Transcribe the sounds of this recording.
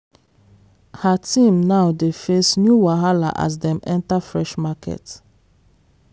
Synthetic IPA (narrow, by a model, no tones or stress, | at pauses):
hatʰĩmnaʊdefesnjuwaɦala̰ʔa̰sdɛ̃mɛ̃ntafɹɛʃmakɛ̰t